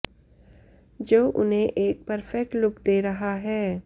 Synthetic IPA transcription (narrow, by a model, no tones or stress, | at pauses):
d͡ʒoːʔʊnɦẽʔeːk̚pəɾfɛk̚ʈlʊkd̪eːɾɐɦaɦɛː